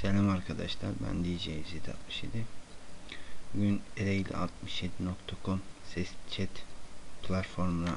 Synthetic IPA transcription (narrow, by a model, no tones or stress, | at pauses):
selʲamaɾkʰad̪aʃlˠa̰ɾbæ̰nd̪ijid͡ʒejziet̪ʰia̰t̪mɯʃje̞d̪ɪ | ɟyneɾejilʲɛ̰ʔa̰t̪mɯʃje̞d̪inokt̪ʰakʰomsɛst͡ʃʰɛt̪pʰlˠat̪fo̞ɾmuna